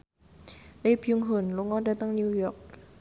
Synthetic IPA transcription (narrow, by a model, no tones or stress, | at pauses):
lepʰjuŋɦonloŋɔdat̪aŋnujɔk̚